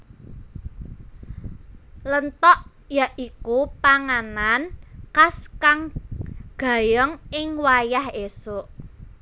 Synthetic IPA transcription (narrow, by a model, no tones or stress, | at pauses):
lənt̪ɔʔ | jaʔikupaŋanankaskaŋɡ̥a̤jəŋɪŋwajahesoʔ